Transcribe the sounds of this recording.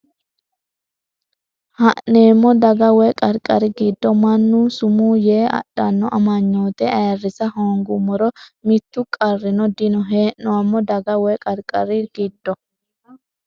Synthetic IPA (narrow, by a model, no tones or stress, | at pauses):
hɐʔneːmːɔd̪ɐɡɐwɛkʼɐɾkʼɐɾɪɡɪd̪ːɔmɐnːusʊmuːjeːɐ̰ɗːɐnːɔʔɐmɐɲːo̞ːt̪ɛɐjɐrːɪsɐhoːŋɡʊmɔɾɔmɪt̪ːʊkʼɐrːɪnɔd̪ɪnɔɦeːnnɔwɐmːɔd̪ɐɡɐwɛkʼɐɾkʼɐɾɪɡ̥ɪd̪ːɔ